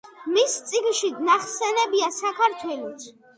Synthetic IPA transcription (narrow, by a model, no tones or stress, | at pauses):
mist̪sʼiɡnʃid̪naχsɛnɛbiasakʰaɾt̪ʰwɛlɔt̪